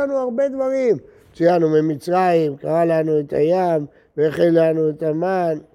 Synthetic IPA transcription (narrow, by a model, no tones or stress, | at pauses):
anuaʁbe̞d̪vaʁim | t͡ʃijanumemit͡sʁaimkaʁalanuet̪ʰa̰jam | veaχinlanuet̪aman